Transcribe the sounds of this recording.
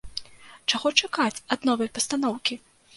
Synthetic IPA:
t͡ʂaɣɔt͡ʂakat͡sʲɐd̪nɔvɐjpɐst̪anɔwkʲi

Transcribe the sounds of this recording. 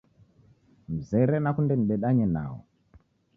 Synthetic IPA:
m̩zɛɾɛnakundɛm̩iɓɛɗaɲɛna̰ːwɔ̰

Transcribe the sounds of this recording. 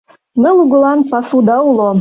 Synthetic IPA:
nɤ̆lˠuɣɤ̆lɑnpɑsud̪ɑulˠo

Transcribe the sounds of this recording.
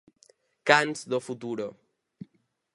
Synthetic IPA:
kanzðofut̪uɾo

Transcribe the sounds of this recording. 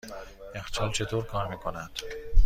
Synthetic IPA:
ext͡ʃʰɒːlt͡ʃʰe̞t̪ʰoːɾkʰɒːɾmiːkʰonæd̪̥

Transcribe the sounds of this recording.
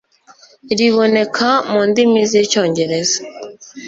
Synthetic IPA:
iɾiβo̞ne̞kʰamuːndimizico̞ːɲɟe̞ɾeza

